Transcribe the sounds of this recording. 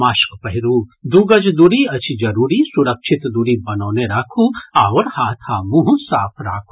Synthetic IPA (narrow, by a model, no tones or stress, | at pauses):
maːʃkpɐɦɪɾuːd̪uɡɐd͡ʒd̪uɾiɐt͡ʃʰid͡ʒɐɾuːɾisuɾɐkʃʰɪt̪d̪uɾibɐnɔːneɾaːkʰuaːʋəɾhaːt̪ʰhaːmuɦusaːpʰɾa̰ːkʰu